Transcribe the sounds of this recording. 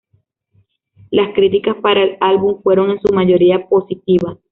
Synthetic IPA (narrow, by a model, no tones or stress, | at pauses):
laskɾit̪ikaspaɾaelalβuɱfwe̞ɾo̞ŋe̞nsumaʝo̞ɾiapo̞sit̪iβas